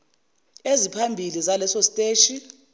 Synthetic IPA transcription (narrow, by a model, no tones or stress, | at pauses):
ezipʰambʱilizalɛsɔstʼeːʃi